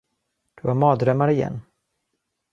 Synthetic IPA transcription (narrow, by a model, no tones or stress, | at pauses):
d̪̥ɵhaɾmɑːd̪ɾœmːaɾɪjɛ̰nː